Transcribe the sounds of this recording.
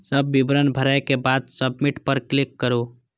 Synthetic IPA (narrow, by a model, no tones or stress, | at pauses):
səbːibɾənbʱəɾajkebad̪səbmiʈpəɾklikːəɾu